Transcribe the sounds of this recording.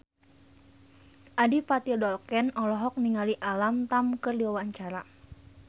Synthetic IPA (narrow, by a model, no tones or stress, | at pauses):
ʔadipat̪idɔlkɛnɔlɔɦɔk̚niŋaliʔalamt̪amkərdiwawaɲt͡ʃaɾa